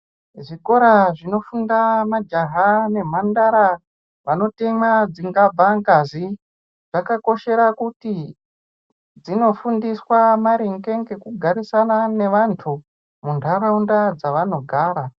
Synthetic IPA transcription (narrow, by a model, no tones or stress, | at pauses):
ʐiko̞ɾaʐino̞fundamad͡ʒaɦane̞m̤andaɾa | ʋano̞temad͡ziŋɡabʱaŋɡazi | ʐ̥akako̞ʃe̞ɾakuti | d͡zino̞fundiswamaɾiŋɡe̞ŋɡe̞kuɡʱaɾisanane̞ʋantʰu | mundʱaraundad͡zaʋano̞ɡʱaːɾa